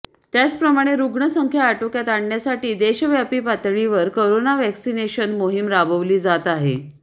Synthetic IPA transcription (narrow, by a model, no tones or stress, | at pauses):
t̪jat͡spɾəmaɽ̃eɾuɡɳəsəŋkʰjaːʈokjat̪aɽɳjasaʈiːd̪eɕəʋjapiːpat̪ɭiʋəɾkoɾonaʋɛksineɕənmoɦimɾabəʋliːd͡zat̪aɦḛ